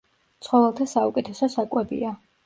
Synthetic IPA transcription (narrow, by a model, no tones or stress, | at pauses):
t̪sʰχɔvɛlˠt̪ʰasaukʼɛt̪ʰɛsɔsakʼwɛbḭa